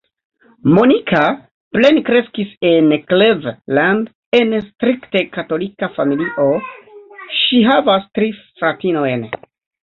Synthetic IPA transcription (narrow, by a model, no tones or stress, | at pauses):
mo̞nikʰa | ple̞nkɾe̞skisenklevland | enstɾikte̞kato̞likafamiliʔo̞ | ʃiɦavastɾifɾatino̞jn